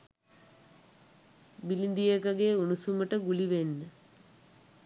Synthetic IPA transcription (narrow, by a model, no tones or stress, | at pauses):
bilind̪iekɐɡeunusuməʈəɡuliʋenːə